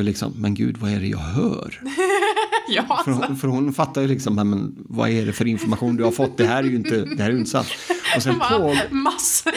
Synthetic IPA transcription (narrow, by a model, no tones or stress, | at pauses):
jlɪksɔ̰mːɛnɡʉ̟̰ːd̪vaɛɖɛjɑ̰ːɡɦœ̰ːɾ | jfœɾhfœɾhʊnfat̪ːajlɪksɔmːɛmɛn | va̰ɛɖɛfœɾɪnfɔɾmaɧuːnd̪ɵhaɾfɔt̪ːd̪ɛɦæːɾɛɾjɪnt̪əd̪ɛhæːɾɛjɵnt̪ːsa̰t̪ːɔsɛnfoːɡms